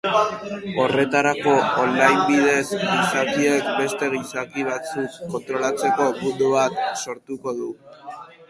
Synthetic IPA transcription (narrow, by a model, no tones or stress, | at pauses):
o̞re̞t̪aɾako̞olːajmbiðe̞sɣisakie̞kbe̞st̪e̞ɣisakiβat͡sukːo̞nt̪ɾo̞lat͡se̞ko̞mund̪uβ̞at̪so̞ɾt̪uko̞ðu